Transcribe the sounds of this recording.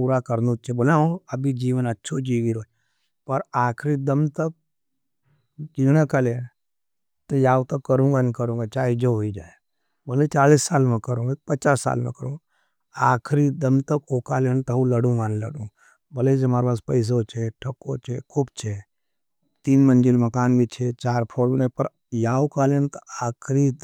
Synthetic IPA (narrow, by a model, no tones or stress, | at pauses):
puːɾakəɾnut͡ʃʰebolaũɐbid͡ʒiːʋənɐtːʃʰod͡ʒiːɡiɾoː | pɐɾaːkʰɾid̪əmt̪ək̚ | d͡ʒiɽ̃ẽkalen | t̪ojaːʋt̪əkːəɾũːɡankəɾũːŋɡat͡ʃaːɦid͡ʒoɦoid͡ʒaːe | boːlet͡ʃaːliːsːaːlmẽkəɾũːɡapət͡ʃaːsːa̰ːlmḛkəɾũː | aːkʰɾid̪ɐmt̪ɐkoːkaːlent̪ɐũləɽũːɡaːnlə̰ɽũ | bɐled͡ʒemaːɾpaːspɐɪs̬ot͡ʃʰeʈʰɐkːot͡ʃʰekʰuːbt͡ʃʰe | t̪iːnmənd͡ʒilmɐkaːnbʱit͡ʃʰet͡ʃaːɾpʰoːɽnepɐɾ | jaːwkaːlent̪oaːkʰɾi